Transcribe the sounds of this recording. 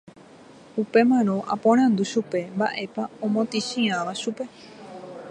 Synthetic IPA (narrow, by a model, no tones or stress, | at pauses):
upe̞mãñõ̞ʔa̰põɾ̃ãnd̪uʃupe̞mba̰ʔe̞paõmõt̪iʃĩãʋaʃupe̞